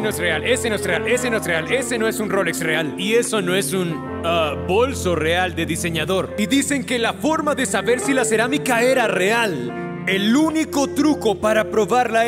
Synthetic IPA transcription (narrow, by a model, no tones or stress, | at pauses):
nosrealesenoesreale̞senoesreale̞se̞no̞e̞sunro̞leksrealie̞so̞no̞e̞sun | abo̞lso̞re̞ald̪e̞ðise̞ɲaðo̞ɾiðise̞ŋke̞lafo̞ɾmaðe̞saβe̞ɾsilase̞ɾamikae̞ɾare̞al | eluniko̞t̪ɾuko̞paɾapɾo̞βaɾla